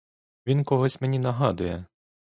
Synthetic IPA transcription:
ʋʲinkɔɦɔsʲmenʲinɐɦɑd̪ʊjɛ

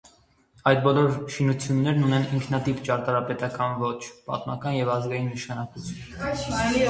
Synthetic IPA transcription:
ɑjd̪̚bɔlɔɾʃinut͡sʰjunːɛɾnunɛniŋkʰnɑt̪ipt͡ʃɑɾt̪ɑɾɑpɛt̪ɑkɑnvɔt͡ʃʰpɑ̰t̪mɑkɑnjɛvɑzɡɑjinːəʃɑnɑkut͡sʰjun

